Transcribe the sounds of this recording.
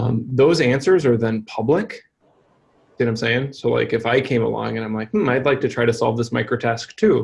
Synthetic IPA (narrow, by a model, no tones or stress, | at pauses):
mðoʊzæ̃nsə˞zə˞ðɨ̃npʰʌblɪk | d̥ɨɾãɪ̃mseɪɪ̃ŋsoʊla̰ɪkɨfaɪkʰẽɪ̃mə̰lɔ̰̃ŋɨ̃nãɪ̃mlaɪk̚mm̩aɪdˡlaɪk̚tɨtʰɹ̥aɪɾɨsɑ̰lˠvðɪsmaɪkɹoʊtʰæsk̚tʰʉ